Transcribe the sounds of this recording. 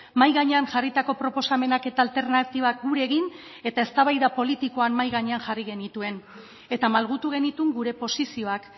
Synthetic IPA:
majɣaɲeanʝarit̪ako̞pɾo̞po̞same̞nake̞t̪aːlt̪e̞ɾnat̪iβak̚ɡuɾe̞ɣin | e̞t̪ae̞st̪aβajðapo̞lit̪iko̞anmajɣaɲe̞anʝariɣe̞nit̪ue̞n | e̞t̪amalɣ̞ut̪uɣ̞e̞nit̪uŋɡuɾe̞po̞sisio̞ak

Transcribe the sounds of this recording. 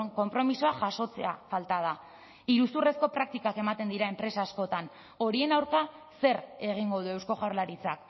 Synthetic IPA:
ko̞mpɾo̞misoaʝaso̞t͡se̞afalt̪að̞a | iɾusure̞sko̞pɾak̚t̪ikake̞mat̪e̞nd̪iɾae̞mpɾe̞saːsko̞t̪an | o̞ɾie̞nawɾka | se̞ɾe̞ɣ̞iŋɡo̞ðue̞wsko̞ɣawɾlaɾit͡sak̚

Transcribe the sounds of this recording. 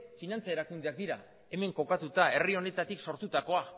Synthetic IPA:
finant͡sae̞ɾakund̪e̞ak̚d̪iɾa | e̞me̞ŋko̞kat̪ut̪ae̞rio̞ne̞t̪at̪ikso̞ɾt̪ut̪ako̞a

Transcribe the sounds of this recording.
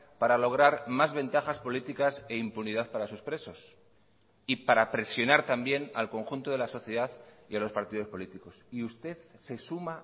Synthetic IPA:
paɾalo̞ɣ̞ɾaɾmazβẽ̞nt̪axaspo̞lit̪ikase̞impuniðaθpaɾasuspɾe̞so̞s | ipaɾapɾe̞sjo̞naɾt̪ambje̞na̰lko̞ŋxunt̪o̞ð̞e̞laso̞θjeðaθialo̞spaɾt̪ið̞o̞spo̞lit̪iko̞siust̪e̞θse̞suma

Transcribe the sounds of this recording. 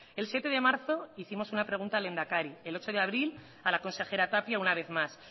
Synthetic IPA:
e̞lsje̞t̪e̞ðe̞maɾθo̞iθimo̞sunapɾe̞ɣ̞unt̪ale̞nd̪akaɾie̞lo̞t͡ʃo̞ð̞e̞aβɾil | alako̞nse̞xe̞ɾat̪apjaunaβ̞e̞θmas

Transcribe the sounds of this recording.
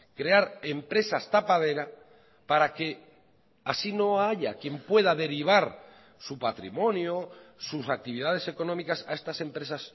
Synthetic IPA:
kɾe̞aɾe̞mpɾe̞sast̪apað̞e̞ɾa | paɾake̞ | asino̞aʝakje̞mpwe̞ðaðe̞ɾiβ̞aɾ | supat̪ɾḭmõ̞njosusak̚t̪iβ̞iðað̞e̞se̞ko̞nõ̞mikasae̞st̪ase̞mpɾe̞sas

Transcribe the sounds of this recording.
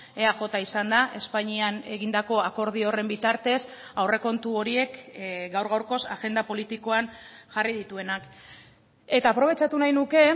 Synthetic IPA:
e̞aʝo̞t̪aisand̪aʔe̞spaɲiane̞ɣind̪ako̞ako̞ɾð̞io̞re̞mbit̪aɾt̪e̞sawre̞ko̞nt̪uo̞ɾie̞kɡawɾɣ̞awɾko̞saɣe̞nd̪apo̞lit̪iko̞anʝarið̞it̪ue̞nak | e̞t̪aːpɾo̞β̞e̞t͡ʃat̪unajnuke̞

